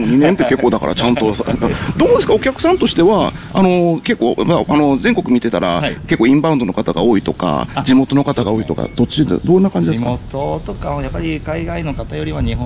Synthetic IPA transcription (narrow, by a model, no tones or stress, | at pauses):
moɲ̟inẽnt̪ːe̞ke̞kːo̞ːd̪aka̰ɾa̰t͡ɕãnt̪o̞ad̪oːd̪e̞sɨ̥kao̞kʲakɯ̟sãnt̪o̞ɕi̥t̪e̞βaano̞ke̞kːo̞ːmaano̞zẽ̞ŋko̞kɯ̟mʲit̪e̞t̪aɾa̰ke̞kːoːĩmbãɯ̃nd̪o̞no̞kat̪aɡa̰o̞ːit̪o̞ka̰d͡ʑimo̞t̪o̞no̞kat̪aɡao̞ːit̪o̞ka̰d̪̥o̞t͡ɕid̪̰d̪õ̞nːakãɲ̟d͡ʑid̪eskat̪ot̪okajapːaɾʲikaiɡaino̞kat̪ajo̞ɾʲiβaɲi